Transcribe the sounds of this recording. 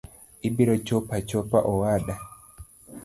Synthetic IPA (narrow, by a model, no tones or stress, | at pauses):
ʔibiɾɔt͡ʃɔpat͡ʃɔpaʔɔwaɗa